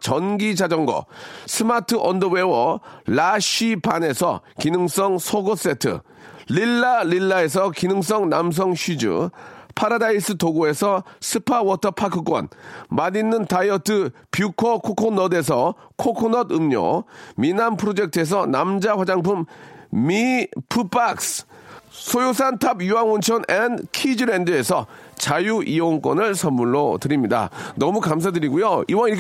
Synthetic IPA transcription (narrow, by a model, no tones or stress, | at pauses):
t͡ɕʌnɡid͡ʑad͡ʑʌŋɡʌ̰sʰɯmatʰɯʔʌndowewʌlaɕipane̞sʰʌ̰kinɯŋs͈ʌŋsʰoɡos͈e̞tʰɯ̰ | lilːalilːae̞s̬ʰʌkinɯŋs̬͈ʌŋnams̬ʰʌŋɕʰɥid͡ʑɯ̰pʰaɾadais͈ɯtoɡoe̞sʰʌsʰɯpʰawʌtʰʌpʰakʰɯk͈wʌ̰nmadinːɯntajʌtʰɯ | pjukʰʌkʰokʰonʌde̞s̬ʰʌkʰokʰonʌdɯmɲo̰minampʰɯɾod͡ʑe̞k̚tʰɯe̞s̬ʰʌnamd͡ʑaɸwad͡ʑaŋpʰummipʰupaks | sʰojos̬ʰantʰabjuwaŋont͡ɕʰʌnʔenkʰid͡ʑɯɾendɯe̞sʰʌt͡ɕajuʔioŋk͈wʌnɯɭsʰʌnmːuɭːotɯɾimɲida̰nʌmukams̬ʰadɯɾiɡujoiwaiɾk